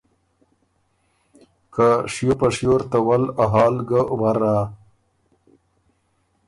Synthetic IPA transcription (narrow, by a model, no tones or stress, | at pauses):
kaʂjopaʂjoɾt̪awalaɦɑːlɡəwaɾa